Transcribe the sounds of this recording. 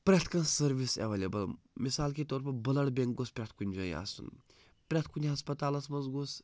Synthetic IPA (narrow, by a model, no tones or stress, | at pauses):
pɾʲat̪ʰkɐnsəɾʋisḛʋɐlʲebɐl | misaːlkit̪ɔːɾpʰɐbɐlɐɽbʲeŋɡɡospʲɾʲat̪ʰkunʲd͡ʒɐja̰ːsṵn | pɾʲat̪ʰkunʲiɦɐspɐt̪aːlɐsmɐzɡos